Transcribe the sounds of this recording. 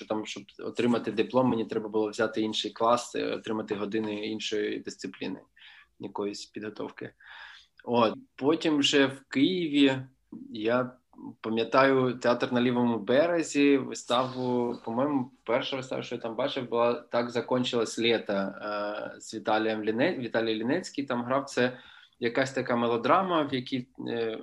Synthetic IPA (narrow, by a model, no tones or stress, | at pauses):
t͡ʃɔt̪ɑmʃt͡ʃɔbɔ̰t̪ɾɪmɐt̪ɪd̪ɪplˠɔmːenʲit̪ɾɛbɐbʊlˠɔʋzʲɑt̪ɪinʃɪjklˠɑsɔ̰t̪ɾɪmɐt̪ɪɦɔd̪ɪnɪinʃɔjid̪ɪst̪sɪplʲḭnɪ̰ | jɐkɔjʊsʲpʲid̪ɦɔt̪ɔ̰wkɪ | ot̪pɔtʲimʒɛwkɪjɪʋʲi | ja | pɐmʲjɐt̪ɑjʊt̪eat̪rnɐlʲiʋɔmʊbɛɾezʲiʋɪst̪ɑwʊpɔmɔjmʊpɛrʃɐʋɪst̪ɑ̰ʋʃt͡ʃɔjat̪ɑmbɑt͡ʃɪwbʊlˠɑt̪ɑɡzɐkɔnʲt͡ʃɪlˠɐsʲlʲɛt̪ɐ | z̥ʲʋʲit̪ɑlʲijɛmlʲinɛʋʲit̪ɑlʲijilʲinɛt͡sʲkʲijt̪ɑmɦɾɑwt̪sɛ | jɐkɑsʲt̪ɐkɑmelˠɔd̪ɾɑmɐwjɐkʲi